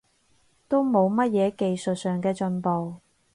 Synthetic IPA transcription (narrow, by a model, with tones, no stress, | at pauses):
t̪o˥wmo˨˧wmɐ˥t̚jɛː˨˧ke˨jsɵ˨t̚sœː˨ŋkɛː˧t͡ʃɵ˧npo˨w